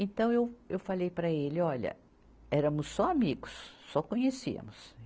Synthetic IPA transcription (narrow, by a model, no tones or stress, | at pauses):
ẽnt̪ɐ̃w̃ewewfalejpɾɐelɪɔʎɐ̰ | ɛɾɐ̃mʊsːɔamiɡʊsːɔkõɲesḭɐ̰mʊs